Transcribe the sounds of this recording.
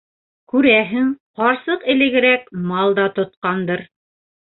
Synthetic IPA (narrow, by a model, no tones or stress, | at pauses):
kʉɾæɦɘŋqɑɾsɤqɘ̆lɘ̆ɡɘ̆ɾækmɑlˠd̪ɑt̪ŏt̪̚qɑnd̪ɤɾ